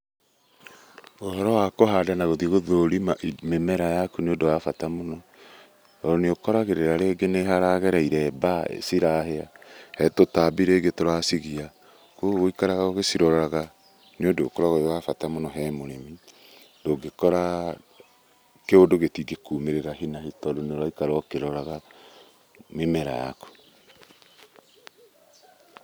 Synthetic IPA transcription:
oɦɔɾɔwakoɦadanaɣoðieɣoðoɾimamemɛɾajakuneondowafatamonɔ | ɔɾɔneokɔɾaɣeɾeɾaɾeɡeneɦaɾaɣɛɾaiɾɛbaḛsiɾaheahɛtotabiɾeɡetoɾasiɣia | koɣoikaɾaɣaoɣesiɾɔɾaɣa | neondoːkoɾaɣowafatamonɔɦɛmoɾemi | doɡekɔɾa | keodoɣetiɡekuːmeɾeɾaɦinahitɔdoneɾwaikaɾɔkeɾɔɾaɣa | memɛɾa̰ja̰ko̥

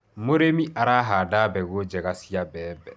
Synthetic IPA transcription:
moɾemĩʔaɾaɦadabɛɡod͡ʒɛɡasijabɛːbɛ

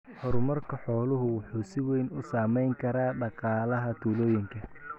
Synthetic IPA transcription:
hɔɾʊmɐrkʰɐħɔːlʊɦʊwʊħuːsɪwɛjnʊsaːmɛjŋkʰɐɾaːɖɑqɑːlɐɦɐt̪ʰuːlɔːjɪŋkʰɐ

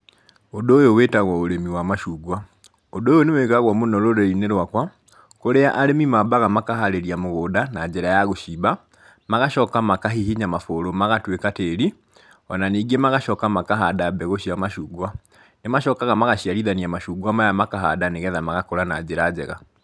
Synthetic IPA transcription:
odoːjowetaɣwɔoɾemiwamaʃuːɡwa | odoːjonewekaɣwɔmonɔɾoɾeineɾwakwa | koɾeaʔaɾemimabaɣamakaɦaɾeɾiamoɣoːdanad͡ʒeɾajaɣoʃiba | maɣaʃɔkamakaɦihiɲamafoɾomaɣatwekateɾi | ɔnaniːɡemaɣaʃɔkamakaɦadabɛɣoʃiamaʃuːɡwa | nemaʃɔkaɣamaɣaɕiaɾiðaniamaʃuːɡwamajamakaɦa̰daneɣɛðamaɣakoɾana̰d͡ʒeɾad͡ʑɛɣa̰

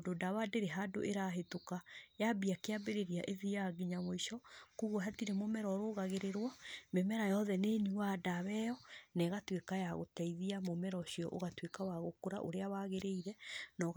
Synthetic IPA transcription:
dodaβadeɾeɦado̰ʔeɾaɦetokajabiakeabeɾeɾiaʔeðijaɡiɲamoiʃɔkuɣwɦatiɾɛmomɛɾɔɾoːɣaɣeɾeɾwamemɛɾajɔðɛneniwadaβɛjɔnɛɣatwekajaɣo̰tɛiðiamomɛɾɔʃiɔʔo̰ɣatwekawaɣokoɾa̰ʔo̰ɾeawaɣeɾeiɾɛnɔɣ

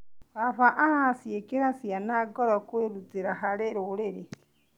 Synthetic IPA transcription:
aβaʔahasjekeɾasjanaɡɔɾɔkweːɾud͡zeɾaɦaɾeɾoɾeɾe

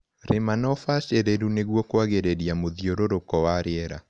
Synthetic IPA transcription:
ɾemanɔfaʃeɾeɾuneɣwɔkwaɣeɾeɾiamoðioɾoɾokɔwaɾeɛɾa

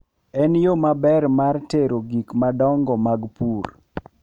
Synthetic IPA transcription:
ɛnjomabɛrmarteɾoɡikmadɔŋɡɔmaɡpur

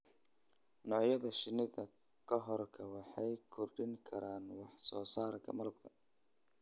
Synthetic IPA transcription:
nɔʕjɐðɐʃɪnɪðɐ | kʰɐɦɔrkʰɐwɑħɑjkʰɔrɖɪŋkʰɐɾaːnwɑħsɔːsaːɾkʰɐ̰mɐlɐb̚kʰɐ̥

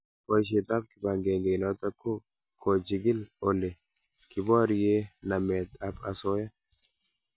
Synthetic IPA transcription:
kɔjʃ̬it̪ʼab̚kɪbaŋɡeːŋɡeːnɐt̪ɐkːʊ | kʰod͡ʒɪɡɪlɔlːɛ | kɪboɐɾɪjeːnɐmeːt̪ɐbɐsoːjɐ

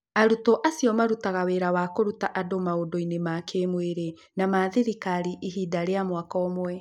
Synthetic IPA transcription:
aɾutɔʔasjɔmaɾutaɣaweɾawakoɾutaʔadomaodoinemakʰemweɾe | namaðiɾikaɾiʔiɦidaɾeamwakɔmwɛ

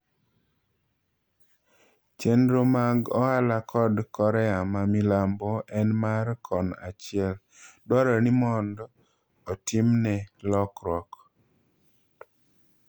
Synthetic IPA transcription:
t͡ʃendɾomaɡɔhalakʰɔdkɔɾɛamamilambɔʔɛnmarkʰɔna̰t͡ʃɪɛl | dwɔɾɔnimɔnd | ɔtɪmnɛlɔkɾɔk

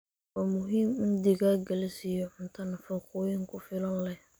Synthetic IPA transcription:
wamʊɦiːmɪnd̪ɪɣaɡɐlɛsɪjɔʔʊnt̪ʰɐnɐfɔχʊːjɪŋkʰʊfɪlɔnlɛh

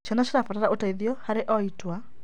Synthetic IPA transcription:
ʃɔnaʃeɾafataɾaʔotaiðiɔhaɾeʔɔitwa

